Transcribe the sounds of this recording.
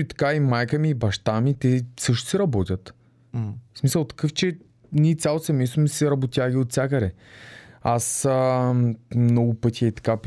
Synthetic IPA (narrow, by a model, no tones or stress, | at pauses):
it̪ɐ̥kaimajkəmiːbɐʃt̪amit̪ɛsɤʃt̪ʊ̥sɛɾɐbɔt̪ʲɐt̪ | smisəlˠt̪ɐ̥kɤft͡ʃɛ | nʲit̪sʲjalˠosɛmɛjst̪omisɛɾɐbot̪ʲjaɡʲiot̪̚sʲakəɾɛ | asə | mnɔɡʊpɤt̪ʰʲiɐit̪ɐ̥ka